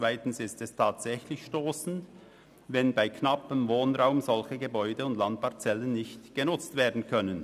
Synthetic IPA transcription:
t͡svaɪtn̩sɪstɛstʰaːtsɛçlɪçʃtoːsn̩t | vɛnbaɪkʰnapəmvoːnʁaʊmzɔlçəɡəbɔʏdəʊndlant̚paɐt͡sɛlənːɪçtɡ̥ənʊt͡stv̥eːɐdn̩kʰœnən

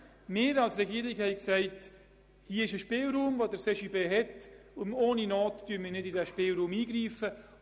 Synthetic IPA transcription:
mɪːɾɑlsɾɛɡiəɾɪkhɛɪksæɪt | hiːɪʃəʃpeːlɾuːmvodəɾseʃibeːɦɛtʊnoːninɔːtd̥yənmiːnɪdidɛʃpeːlɾuːmiːɡɾiːfə

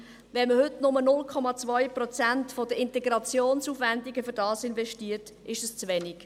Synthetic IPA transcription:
vɛnməhʏtnʊmənʊlkʰɔmɑt͡svœjprɔt͡sæntfod̥əɪntɛɡɾɑt͡sjoːnsufʋændiɡəfʏɾdɑːsɪnvɛʃtiːəɾt | ɪʃɛst͡sʋɛnik

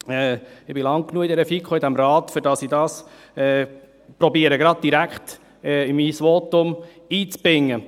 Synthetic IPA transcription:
ɛɪb̥ɪlɑŋknuəid̪ɛɾəfikχoɪd̪æmɾɑːt̪fʏɾdɑsidɑːs | ɛː | pɾɔbiəɾəɡɾɑd̥̪̚d̥iɾækχt̪ | ɛɪmiːsʋot̪ʊm | iːt͡sb̥ɾɪŋːə

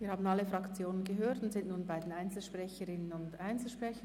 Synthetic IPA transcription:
viːhaːbn̩ɑlːəfʁɑkt͡sjoːnənɡəɦøːtʊntz̥ɪnʔnuːnbaɪdenaɪnt͡sl̩ʃpʁɛçəɾɪnənʊndaɪnt͡sl̩ʃpʁ̥ɛçə

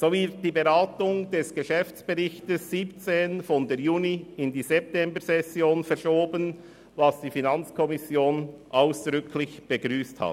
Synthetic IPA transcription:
z̥oːvɪɾt̚d̥iːbeʁaːtʊŋd̥ɛsɡ̥əʃɛft͡sb̥eʁɪçtəsːiːpt͡seːnfɔndəjuːniɪndiːzɛp̚tɛmbəɾsɛsjoːnfɛɐɾʃoːbən | vɑsd̥iːfinɑnt͡skʰɔmɪsjoːnʔaʊsd̥ʁʏkʰlɪçb̥əɡʁyːsthɑ̰t

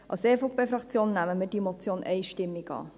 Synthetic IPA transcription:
ʔɑ̰lsefɔpefɾɑkt͡sjoːnːæməmɪd̥imot͡sjoːnʔɛɪʃtɪmːikɑ̰ː

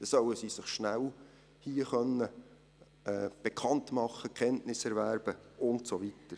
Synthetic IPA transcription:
d̥esœwəsisɪχʃnæl | hiəχœnːə | ɛb̥ekʰɑntmɑχːəkʰɛntnɪsɛɾvæɾb̥əʊntsovitəɾ

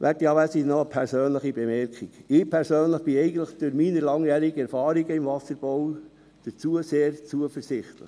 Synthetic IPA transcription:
ʋʔætiɑːʋæsinɔəpʰɛɾsøːnləχibɛmɛɾkχiɡ̥ɪːpʰɛɾsøːnləχb̥ɪɛɪɡən̩tləχd̥ʊɾminəɾlɑŋjæːɾiɡəɛɾfɑːɾiɡəɪmvɑsəɾb̥ɔw | d̥əɾt͡suəseːɾt͡suəfəɾsɪχt̪lə̰χ

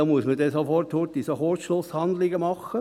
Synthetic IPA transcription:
ɑmuəsmədɛsofɔrthotisohoːtʃlʊshɑnd̪lɪɡəmɑχə

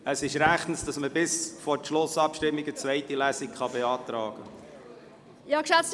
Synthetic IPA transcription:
əsɪʃɾæχtn̩sd̥ɑsməbɪsfɔɾtʃlʊsɑpʃtɪmːiɡət͡svɛɪtilæsikχɑbeɑːtɾɑːɡ̥ə | jɑːkʃæt͡st

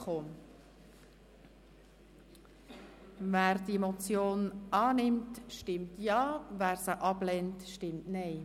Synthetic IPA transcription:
χoː | væːɾdiemot͡sjoːnɑːnɪmtʃtɪmtjɑːvæːɾsəʔɑblɛntʃtɪmtnɛɪ

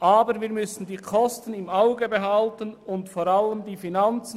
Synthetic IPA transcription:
ʔaːbəɾviːɐɾmʏsn̩diːkʰɔstən̩ɪmaʊɡəbeɦɑltənʊntfoːɾaləmdiːfinant͡s

